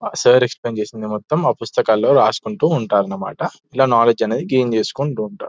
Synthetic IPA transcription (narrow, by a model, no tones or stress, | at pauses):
sɐːɾeksplent͡ʃe̞ːsind̪imɔt̪ːɐmɐpust̪ɐkaːlːo̞ːɾaːsu̥kuɳʈuːuɳʈaːɾɐnːɐma̰ːʈɐ | ilaːnaːled͡ʒɐneːd̪iɡeːmt͡ʃe̞ːsu̥kuɳʈuːɳʈaːɾu